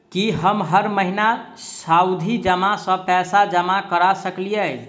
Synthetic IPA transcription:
kiɦəmɦəɾməɦina | sawd̪ʱid͡ʒəmasə̃pɛsad͡ʒəmakəɾasəklijə

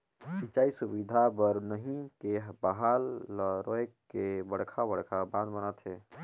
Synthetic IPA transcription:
sit͡ʃaːisubid̪ʱabəɾnəɦĩkeɦbəɦalːəɾoekkːebəɽ̤kʰabəɽkʰabãnd̪bənat̪ɦe

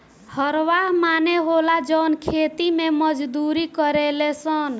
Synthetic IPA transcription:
həɾʋaɦmaneɦolad͡ʒɔnkʰet̪imeməd͡ʒd̪uɾikəɾelesən

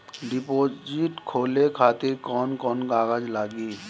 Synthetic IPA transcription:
ɖɪpoːd͡ʒiʈkʰoːlekʰaːt̪ɪɾkɔːnkɔːnɡaːɡəd͡ʒlaːɡiː

